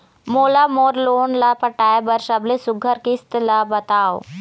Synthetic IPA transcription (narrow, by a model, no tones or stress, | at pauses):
moːlamoːɾloːnlapɐʈaːebɐɾʃɐblesʊɡʱəɾkist̪labɐt̪aːo̰